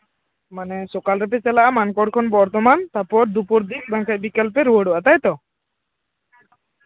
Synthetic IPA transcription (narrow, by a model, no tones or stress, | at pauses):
manɛsokalɾɛpet͡ʃɛlaʔamankɔɽkʰɔnbɔɾt̪ɔmant̪aɾpɔɾd̪upɔɾd̪ik̚bãŋkacbikɔlpeɾuəɽuʔat̪ajt̪ɔ